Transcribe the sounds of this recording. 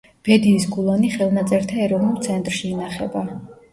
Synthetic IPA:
b̥ɛd̪iːsɡulˠaniχɛlˠnat̪sʼɛɾt̪ʰaɛɾɔvnulˠt̪sʰɛnt̪ʼɾʃiːnaχɛba

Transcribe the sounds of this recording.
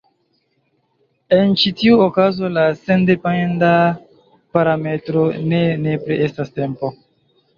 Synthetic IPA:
e̞nt͡ʃitiuokazo̞lasendepaenda | paɾame̞tɾonene̞pɾeʔestaste̞mpo̞

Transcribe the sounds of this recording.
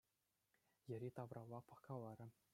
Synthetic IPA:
jɘ̆ɾʲit̪ɑʋrɑlˠːɑpɤ̆kɑlˠːɑɾʲɘ̆

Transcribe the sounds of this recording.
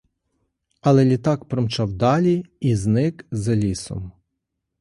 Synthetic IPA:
ɐlˠɛlʲit̪ɑkpɾɔmt͡ʃɑwd̪ɑlʲiiznɪkzɐlʲisɔ̰m

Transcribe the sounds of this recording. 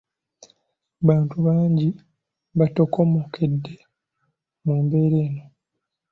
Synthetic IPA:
βaːntuβaːɲɟi | βato̞komokʰedːe̞ | muːmbe̞ːɾeːno̞

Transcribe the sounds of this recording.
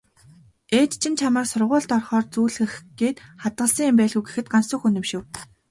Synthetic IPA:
eːt̪t͡ɕʰɪ̆nt͡ɕʰamə̆rsʊrʁʊːɮt̪ɔrχɔːrt͡suːɮɘ̆xɡeːt̪χat̪̚ɢə̆ɮsəŋɪmpæːɮɣŭwɡe̥xɘ̆t̪̚ɢansʊ̆xunɵ̆mʃɘ̆w

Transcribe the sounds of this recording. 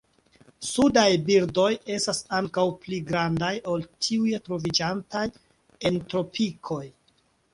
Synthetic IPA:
sudajbiɾdo̞je̞stasaŋkawpliɡɾandajo̞ltʰiujetɾo̞vid͡ʒantaj | e̞ntɾo̞pikʰo̞j

